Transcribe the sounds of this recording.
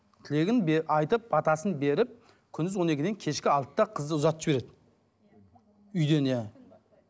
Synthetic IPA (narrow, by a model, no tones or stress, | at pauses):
t̪ʰɪle̞ɡʲɪnbɑjt̪əp̚ɑt̪ɑsənbe̞ɾɪp̚ | kʲʰʏnd̪ɪzwo̞ne̞kʲɪd̪e̞ŋkʲʰe̞ʃkʲɪɑlˠt̪ːɑqʰəzd̪əʊzɑt̪ːʒbe̞ɾe̞d̪ɪ | ʏjd̪e̞næ